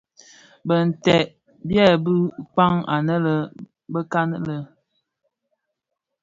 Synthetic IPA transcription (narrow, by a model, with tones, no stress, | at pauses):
bə˨n̩˨tɛ˨ʔ | bjɛ˦˨bə˦k͡pa˦ŋa̰˨nə˦lə˦ | bə˦ka˦nə˦lə˨